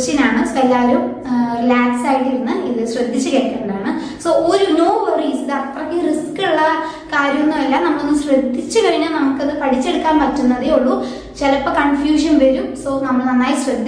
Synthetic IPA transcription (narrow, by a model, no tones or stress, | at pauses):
ɕɐnaːɳɨselːaːɾum | laːksaːjiʈiɾunːɨiðɨɕrɐd̪ʱːit͡ɕːukeːkːɐɳɖaːɳɨ | soːoɾunoːʋoriːsiðɨɐt̪rɐkːɨriskːuɭːɐ | kaːɾjɐnːɐmelːaːmnɐmːɐkɭonːumɕrɐd̪ʱːit͡ɕːukɐriɲːɐnɐmukːɐðɨpɐʈit͡ɕːe̞ɽukːaːnpɐtːunːɐðeoɭːu | t͡ɕelɐpːokɐɳfjuːʂ̬ɐnʋɐɾumsoːnɐmːɐɭnɐnːaːjiɕrɐd̪ʱːi